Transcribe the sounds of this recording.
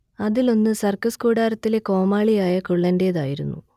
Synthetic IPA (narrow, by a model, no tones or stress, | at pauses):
ɐðilo̞nːɨsɐrkɐskuːɽaːɾɐt̪ːile̞ko̞ːmaːɭijaːjɐkuɭːɐnde̞ːða̰ːjiɾunːṵ